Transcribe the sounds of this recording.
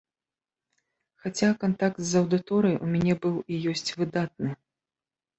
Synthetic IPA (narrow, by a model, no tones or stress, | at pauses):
xat͡sʲakant̪akt̪zɐwd̪ɨt̪ɔɾɐjʔumʲanʲɛbɨwijɔsʲt͡sʲvɨd̪at̪̚nɨ